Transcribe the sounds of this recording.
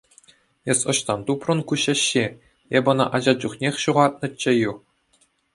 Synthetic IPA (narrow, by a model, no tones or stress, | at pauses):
esʲɤ̆ɕt̪ɑnt̪uprɤ̆nkuɕĕɕːe | ebɤ̆nɤ̰̆ʔɑʑɑd͡ʑuχnʲexʲɕuʁɑt̪̚nɤ̆t͡ɕːĕju